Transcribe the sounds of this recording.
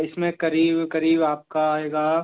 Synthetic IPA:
ɪsmẽkɐɾiːbkɐɾiːbaːp̚kaɦɛːɡaː

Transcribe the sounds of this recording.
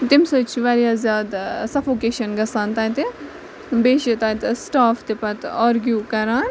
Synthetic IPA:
t̪imsət͡ʃʰiʋaɾjasjaːd̪sɐfoːkeːʃɐnɡɐsaːnt̪aːt̪i | beːʃit̪aːt̪sʈaːft̪ipɐt̪aːɾɡjuːkɐɾaːn

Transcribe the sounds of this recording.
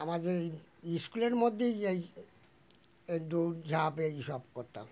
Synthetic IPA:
amad̪eɾiskuleɾmod̪ʱːejej | d̪ud͡ʑʱapeejʃɔb̚koɾt̪a̰m

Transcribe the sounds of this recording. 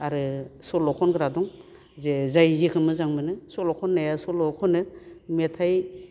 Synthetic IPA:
aɾɯsɔlɔkʰɔnɡɯɾadɔŋ | zezajzikʰɯmɯzaŋmɯnɯsɔlɔkʰɔnːajasɔlɔkʰɔnɯmetʰaj

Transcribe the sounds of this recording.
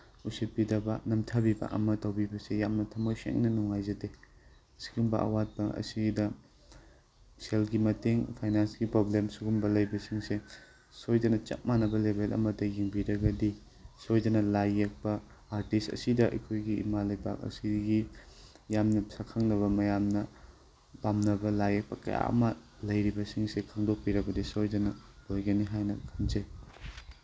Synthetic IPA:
usit̚pidɐbɐnɐmtʰabiba̰kɐ̰mɐtawbibɐsejamnɐtʰɐmojsḛŋnɐnuŋajzɐde | ɐsi̥ɡumbɐ̰ʔɐ̰wat̚bɐɐ̰sidɐ | selɡimɐteŋpʰajnansɡipɾoblemsuɡumbɐlɐjbɐsiŋse | sojdɐnɐt͡ʃɐ̰k̚manɐbɐlebʱelʔɐ̰mɐdɐjiŋbiɾɐɡɐdi | sojdɐnɐlajːek̚pɐ | aɾtistɐ̰sidɐʔɐ̰jkʰojɡiḭmalɐjba̰k̚ɐ̰siɡi | jamnɐsakʰaŋnɐβɐmɐjamnɐ | pamnɐbɐlajek̚pɐkɐ̰ja̰ʔɐ̰mɐ | lɐjɾibɐsiŋsekʰaŋdok̚piɾɐɡɐdisojdɐnɐb̥ojɡɐniɦajnɐkʰɐnzɐj

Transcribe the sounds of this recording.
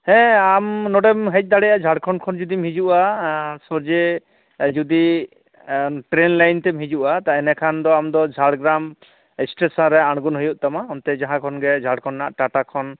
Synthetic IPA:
hɛ̃amnɔɖɛmɦɛc̚ˀd̪aɽɛjaʔd͡ʒʱaɽkʰɔnkʰɔnd͡ʒud̪imɦid͡ʒuʔasɔɾd͡ʒe | d͡ʒud̪i | ʈɾenlajnt̪ɛmɦid͡ʒuʔat̪aɛnɛkʰand̪ɔamd̪ɔd͡ʒʱaɽɡɾam | ɛsʈesɔnɾɛaɽ̃ɡunɦujuʔ̚t̪amaɦɔnt̪ɛd͡ʒaɦãkʰɔnɡɛd͡ʒʱaɽkʰɔnːaʔʈaʈakʰɔn

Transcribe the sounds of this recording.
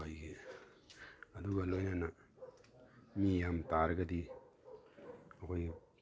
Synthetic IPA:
ajɡe | ɐduɡɐlojnanɐ | mijamtaɾɐɡɐdi | ɐkʰoj

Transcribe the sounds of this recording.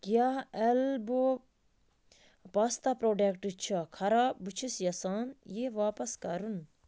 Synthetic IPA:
kjaɛlbo | past̪apɾoːɖekʈɨt͡ʃʰɐkʰɐɾaːbut͡ʃʰisjɐsaːnjeʋaːpɐskɐɾun

